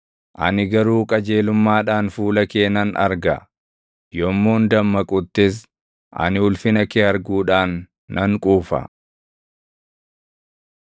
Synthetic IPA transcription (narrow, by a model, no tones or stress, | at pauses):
ʔɐ̰nɪɡɐɾuːkʼɐd͡ʒe̞ːlʊmːaːᶑaːnfuːlɐke̞ːnɐnɐ̰ɾɡɐ | jɔmːoːnd̪ɐmːɐkʼʊt̪ːɪs̬ | ʔɐ̰nɪʊlfɪnɐkeːɐɾɡuːᶑaːnː | ɐŋkʼuːfɐ̰